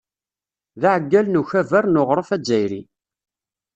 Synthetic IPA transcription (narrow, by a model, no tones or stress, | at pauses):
ðaʕəɡːælnuçævæɾnoʁɾˤəfæd͡ʒːæjɾḭ